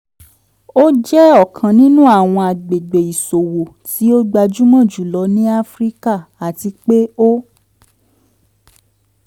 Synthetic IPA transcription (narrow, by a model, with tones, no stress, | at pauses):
o˦d͡ʒɛ˦ɔ˦˨kʰã˨nĩ˦nũ˦a˦˨w̃ɔ̃˧a˨ɡ͡be˨ɡ͡be˨i˨so˨wo˨ti˨˦o˦ɡ͡ba˧d͡ʒu˦mɔ̃˦˨d͡ʒu˨˦lɔ˨˧˦nĩ˦a˦fɾi˦ka˦˨a˨ti˧k͡pe˦o˦